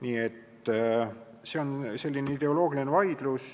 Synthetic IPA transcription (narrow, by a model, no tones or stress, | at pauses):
niːe̞t̪ː | se̞o̞nse̞lʲːineid̪̥e̞o̞lo̞ːɡ̥ilinevɑjd̪̥lus